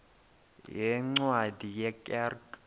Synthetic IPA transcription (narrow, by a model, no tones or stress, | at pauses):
jɛŋ͡ǀwadʱijɛkʼɛrk